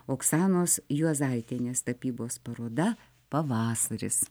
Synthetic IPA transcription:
oːksɑːnoːsjuɔzɑlʲt̪ʲenʲeːst̪ɐpʲiːboːspɐɾoːd̪ɐ | pɐʋɑːsɐɾʲɪ̰s

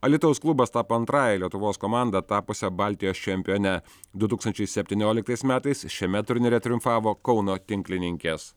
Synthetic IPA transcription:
ɐlʲɪt̪oʊsklˠʊbɐst̪ɑːpːɐnt̪ɾɑːjɛlʲiɛt̪ʊʋoːskɔmɑːˑnd̪ɐt̪ɑːpʊsʲɛbɑˑlʲt̪ʲɪjoːst͡ʃʲɛmʲpʲɪjɔnʲɛ | d̪ʊt̪uːkst̪ɐnt͡ʃʲɛɪsʲɛpʲt̪ʲinʲoːlʲɪkt̪ɐɪsmʲæːt̪ɐɪsʃʲiɛmʲɛt̪ʊɾʲnʲɪɾʲɛt̪ʲɾʲʊmfɑːʋoːkɒʊnoːt̪ʲɪŋʲklʲɪnʲɪŋʲkʲeːs

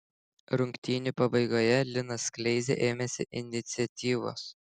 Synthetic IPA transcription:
ɾʊŋʲkʲt̪ʲiːnʲupɐbɐɪɡoːjɛlʲɪnɐsklʲɛɪzʲḛʔeːmʲɛsʲɪʔɪnʲɪt̪sʲɪɛt̪ʲiːʋo̰ːs

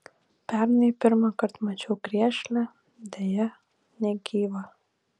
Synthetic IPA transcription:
pʲæɾnepʲɪɾmɑkɐɾt̪mɐt͡ʃʲoːkɾʲiɛʃʲlʲæ | d̪ʲɛjɛ | nʲɛɡʲiːʋɐ

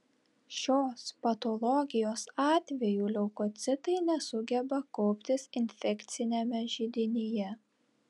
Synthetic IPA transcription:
ʃʲoːspɐt̪ɔlˠɔɡʲɪjoːsɑːt̪ʲʋʲɛjuːlʲɛʊkɔt̪sʲɪt̪ɐɪnʲɛsʊɡʲɛbɐkɔʊpʲt̪ʲɪsɪnʲfʲɛkʲt̪sʲɪnʲemʲɛʒʲɪd̪ʲɪnʲijɛ

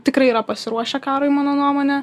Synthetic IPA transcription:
t̪ʲɪkɾɐɪiːɾɐpɐsʲɪɾuɔʃʲɛkɑːɾoɪmɑːnoːnuɔmoːnʲɛ

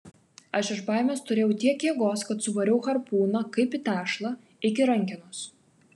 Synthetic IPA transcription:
ɐʃɪʃbɑːˑɪmʲeːst̪ʊɾʲeːjɛʊt̪ʲiɛkjeːɡoːskɐt̪sʊʋɐɾʲɛʊxɐɾpuːnɐkɐɪpit̪ʲæːʃlˠɐ | ɪkʲɪɾɐŋʲkʲɪnʊs

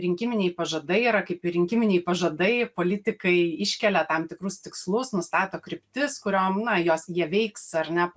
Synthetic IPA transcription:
ɾʲɪŋʲkʲɪmʲɪnʲɛɪpɐʒɐd̪ɐɪiɾɐkɐɪpɪɾʲɪŋʲkʲɪmʲɪnʲɛɪpɐʒɐd̪ɐɪpoːlʲɪt̪ʲɪkɐɪɪʃʲkʲɛlʲɛt̪ɐmt̪ʲɪkɾʊst̪ʲɪkslˠʊsnʊst̪ɑːt̪oːkɾʲɪpʲt̪ʲɪskʊɾʲoːmnɐjoːsjiɛʋʲɛɪksɐɾʲnʲɛp

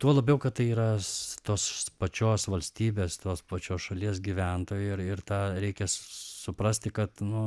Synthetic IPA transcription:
t̪uɔlˠɐbʲɛʊkɐt̪t̪ɐɪiːɾɐt̪oːspɐt͡ʃʲoːsʋɐlʲsʲt̪ʲiːbʲeːst̪oːspɐt͡ʃʲoːsʃɐlʲiɛs̬ɡʲiʋʲænt̪oːjʊɪrɪrt̪ɑːɾʲɛɪkʲɛssʊpɾɐsʲt̪ʲɪkɐt̪nʊ

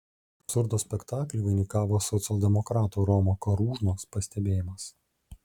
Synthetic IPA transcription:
ɐsʊɾd̪oːsʲpʲɛkt̪ɑːklʲuʋɐɪnʲiːkɑːʋoːsɔt̪sʲɛlˠʲd̪ʲɛmɔkɾɑːt̪uːɾɔmoːkɐɾuːʒnoːspɐsʲt̪ʲɛbʲeːjɪmɐs

